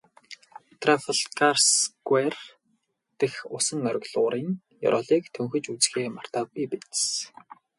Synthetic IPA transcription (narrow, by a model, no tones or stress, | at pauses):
t̪ʰrafeɮkarsɡwer | t̪ĕxʊsə̆ŋœɾʲɪ̆ɣɮʊːɾiːŋ | jɔ̰ɾʔɔɮiːkt̪ʰɵŋxɵ̆t͡ɕut͡sxeːmar̥t̪aːipet̪s